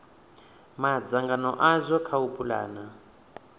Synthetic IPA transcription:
mad͡zaŋɡanɔ̰ʔazʷɔkʰaupʼula̰ːna

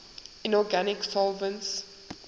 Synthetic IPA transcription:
ɪ̃nɔɡanɪksɔlvə̃nts

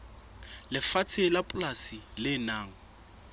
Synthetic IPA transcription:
lɪfat͡sʰelapʼʊlasilɪːnaːŋ̩

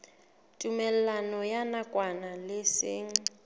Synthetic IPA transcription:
tʼumɛl̩lanɔjanakʼwanalɪsɪːŋ̩

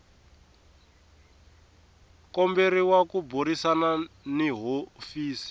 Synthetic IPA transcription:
kɔmbeɾiwakubuɾisananiɦofiːsi̥

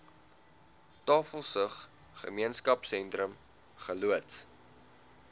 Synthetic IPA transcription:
tɑːfəlˠsəχ | χə̰miənskɐpsɛntrəm | χəluəts

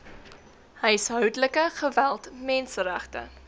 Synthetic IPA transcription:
həjəsɦœwdələkəχəvælˠtmɛnsəɾæχtə̰

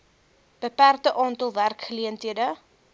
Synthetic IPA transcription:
b̥əpærtəʔɑːntəlˠværkχəliəntɦiədə

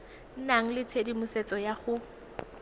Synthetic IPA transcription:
n̩naŋ̩lɪt͡sʰedimʊset͡sʼɔjaχʊ

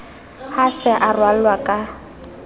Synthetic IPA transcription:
hasɛʔarwalwakʼa

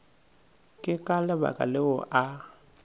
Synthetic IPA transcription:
kʼɪkʼalɪba̰kʼa̰lɪʊʔa

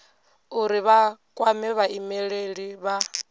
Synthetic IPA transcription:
uɾiβakʼwamɛβaimɛɺeɺiβa

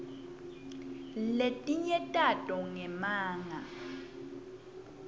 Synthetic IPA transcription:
letʼiɲɛtʼatʼɔŋɛmaːŋa

